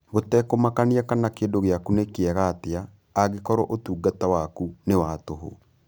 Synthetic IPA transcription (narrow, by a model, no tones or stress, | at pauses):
ɣotɛkomakaniakanakeːndoɣeakunekeɛɣaːteaː | ɣekɔɾɔʔotuːɡatawakunewatoɦo̰